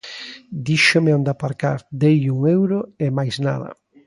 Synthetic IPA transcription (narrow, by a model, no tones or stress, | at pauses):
d̪iʃomeõnd̪apaɾka̰ɾd̪ejʎuŋewɾoemajzna̰ðɐ̰